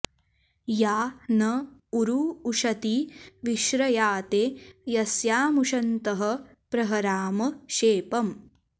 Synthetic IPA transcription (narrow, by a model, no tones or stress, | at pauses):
jaːnɐuɾuːʂɐt̪iʋiʃɾɐjaːt̪ejɐsjaːmuʂɐnt̪ɐɦɐ̆ | pɾɐɦɐɾaːmɐʃeːpɐm